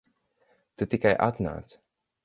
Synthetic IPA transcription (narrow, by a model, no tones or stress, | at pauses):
t̪ut̪ikajʔa̰t̪na̰ːt̪s